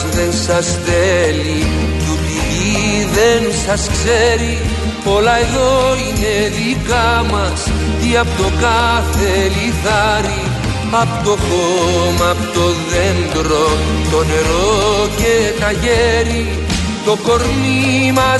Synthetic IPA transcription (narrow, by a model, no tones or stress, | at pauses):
ðe̞nsɐsθeli | t̪up̪iði | ðensɐskseɾi | po̞lɐe̞ðo̞ine̞ðlikɐmɐs | t̪iɐpot̪o̞kɐθe̞liθɐɾi | ɐpot̪o̞komɐpot̪o̞ðend̪ɾo | t̪o̞ne̞ɾocet̪ɐʝeɾi | t̪o̞ko̞ɾmimɐ